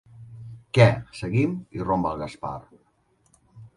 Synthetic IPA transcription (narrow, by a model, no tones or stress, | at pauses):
kɛsəɣimirombəlˠɣaspa̰r